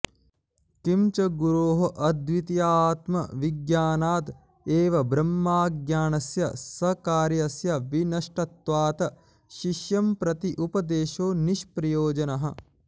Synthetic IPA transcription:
kimt͡ʃɐɡuɾoːɦɐʔɐd̪ʋit̪ijaːt̪mɐ̰ʋiɡjaːnaːt̪ | eːʋɐbɾɐmːaːɡjaːnɐsjɐ̰sɐkaːɾjɐsjɐʋinɐʂʈɐt̪ʋaːt̪ɐ | ʃiʃjɐmpɾɐt̪iʔupɐd̪eːʃoːniʃpɾɐjoːd͡ʒɐnɐɦɐ̆

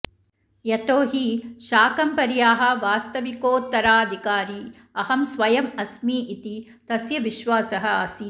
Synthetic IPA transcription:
jɐt̪oːɦiʃaːkɐmpɐɾjaːɦɐ̆ʋaːst̪ɐʋikoːt̪ːɐɾaːɐd̪ʱikaːɾiː | ɐɦɐmsʋɐjɐmɐsmiːʔit̪i | t̪ɐsjɐʋiʃʋaːsɐɦɐasiː

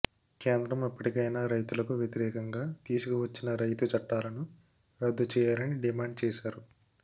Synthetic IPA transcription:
keːnd̪ɾɐmipːɐʈikɐjnaːɾɐjt̪ulɐkuʋjɐt̪iɾɛːkɐŋɡaːt̪iːsukuʋɐt͡ʃːinɐɾɐjt̪ut͡ʃɐʈːaːlɐnu | ɾɐd̪ːut͡ʃɛːjaːlɐniɖimaːɳɖ̚t͡ʃɛːʃaːɾu

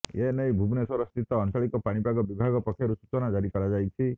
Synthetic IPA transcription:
enejbʱubnesɔɾɔst̪it̪ɔːnt̪ʰɔɭikɔpaɽ̃ipaɡɔbibʱaɡɔpɔkʰjɔɾusu̥t͡ʃɔnad͡ʒaɾikɔɾad͡ʒajt͡ʃʰi

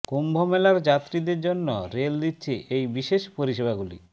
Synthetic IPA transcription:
kombʱomelaɾd͡ʑat̪ːɾid̪eɾd͡ʑonːoɾeld̪itːɕʰiʔʔejbiʃeʃpoɾiʃebaɡulḭ

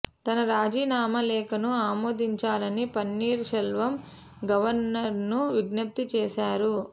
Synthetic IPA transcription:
t̪ɐnɐɾaːd͡ʒiːnaːmɐlɛːkɐnuaːmoːd̪iɲt͡ʃaːlɐnipɐnːiːɾʃɐlʋɐm | ɡɐʋɐɾnɐɾnuʋiɡnɐp̚t̪it͡ʃɛːʃaːɾu

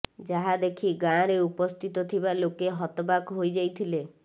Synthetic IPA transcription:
d͡ʒaɦad̪ekʰiɡãɾeupɔst̪ʰit̪ɔt̪ʰibalokeɦɔt̪ɔbakɦojd͡ʒajt̪ʰile

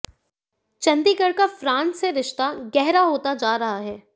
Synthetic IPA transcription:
t͡ʃɐ̃nd̪iɡəɽkafɾãːnsːeɾɪʃt̪aɡɛɦɾaɦoːt̪ad͡ʒaːɾɐɦaɦɛː

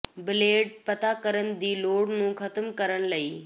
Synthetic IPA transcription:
bɪleːɖ̚pɐt̪akəɾənɪ̆d̪iːloːɽnũːxɐt̪əmkɐɾəɽ̃lɐiː

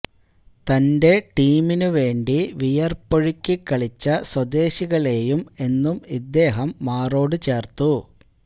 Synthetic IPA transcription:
t̪ɐnde̞ʈiːminuʋe̞ːɳɖiʋijɐrpːoɻikʲːikːɐɭit͡ɕːɐswɐd̪e̞ːɕiɣɐɭe̞ːjume̞nːumid̪ːe̞ːɦɐmːaːro̞ːɽɨt͡ɕe̞ːrt̪u

